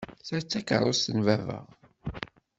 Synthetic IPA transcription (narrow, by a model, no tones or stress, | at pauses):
θæɾt͡sːækə̰ɾˤʊsənvævə̰ʁ